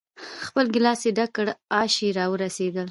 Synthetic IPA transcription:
xpəlɡɪlɑseɖakəɽɑʃiɾɑwəɾased̪əl

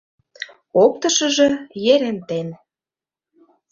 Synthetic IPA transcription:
ok̚t̪ɤ̆ʃə̆ʒɤ̆jeɾĕnt̪en

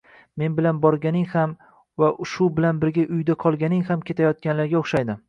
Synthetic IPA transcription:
me̞nbɪlanbɒɾɡʲanɪŋham | vaʊʃʊbɪlanbɪɾɡʲaʔʊjd̪aqʰɒlˠɡʲanɪŋhamkʲʰe̞t̪ʰajɒt̪̚kʲanlaɾɡʲaoχʃajd̪ɪ

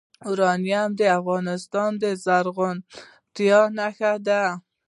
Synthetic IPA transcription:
uɾɑnijamd̪eafɣɑnɪst̪ɑnd̪ezaɾɣʊn | t̪ijɑnakaɾd̪a

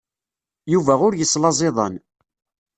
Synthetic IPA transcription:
juvæʊɾjəsːlɑzˤeðˤɑ̰n

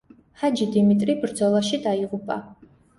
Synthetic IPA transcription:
had͡ʒid̪imit̪ʼribɾd̪zɔlˠaʃid̪aiʁupʼa̰

